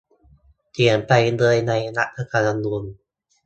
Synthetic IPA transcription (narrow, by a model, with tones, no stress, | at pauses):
t̪i˨˩˦ənpa˧jlɤː˧jna˧jna˦˥ʔ̚t̪ʰa˧ka˧˩la˧nuː˧n